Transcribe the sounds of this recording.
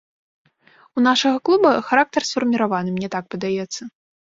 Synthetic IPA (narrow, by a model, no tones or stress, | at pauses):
unaʂɐɣɐklˠubɐxaɾak̚t̪ɐrsfɐrmʲiɾavanɨmnʲɛt̪ak̚pɐd̪ajɛt̪sːɐ